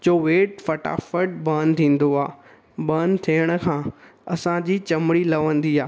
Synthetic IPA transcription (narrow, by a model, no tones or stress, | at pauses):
t͡ɕoːʋeːʈfɐʈa̰ːfəʈ̚bɐ̃nt̪ʰĩːn̆d̪oaː | bə̃nt̪ʰiːəɽ̃ʊ̆kʰãːɐsãd͡ʑiːt͡ɕɐmɽilɐʋə̃nd̪iaː